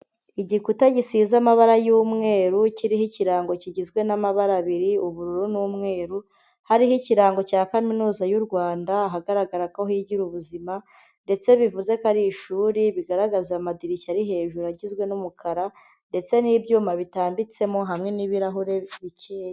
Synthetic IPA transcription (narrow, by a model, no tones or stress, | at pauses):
iɟikutaɟisiːzamaβaɾajuːmŋe̞ːɾuciɾihiciɾaːŋɡo̞ciɟizɡwe̞namaβaɾaβiɾiuβuɾuɾunuːmŋe̞ːɾu | haɾiɦiciɾaːŋɡo̞caːkaminuːzajuɾɡwaːndaːɦaɡaɾaɡaɾakaohiɟiɾuβuzima | nde̞t͡se̞βivuze̞kaɾiʃuːɾiβiɡaɾaɡazamadiɾicaɾiɦe̞ːʒuɾaɟizɡwe̞numukʰaɾa | nde̞t͡se̞niːbjuːmaβitaːmbit͡se̞mo̞ɦamŋe̞niβiɾaɦuɾe̞βiceːja